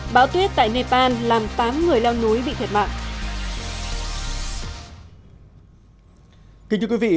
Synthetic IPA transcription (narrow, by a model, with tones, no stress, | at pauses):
ɓaː˨˦wt̪wi˦˥ət̚t̪a̰ː˧˨jne˧paː˧nlaː˨˩mt̪aː˨˦mŋɨ˨˩əjla˧wnu˨˦jɓḭ˧˨t̪ʰt̚ma̰ː˧˨ŋʔ | kï˨˦t͡ɕ̪ɨ˧kwi˨˦vḭ˧˨